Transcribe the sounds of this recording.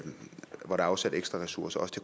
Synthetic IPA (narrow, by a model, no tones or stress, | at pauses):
ʋɒɾ̥æɑ̈ʊsæd̥eɡ̥sd̥ʁɐʁɛsuɐsɐɒ̽sə̥t͡sʰe̝kʰ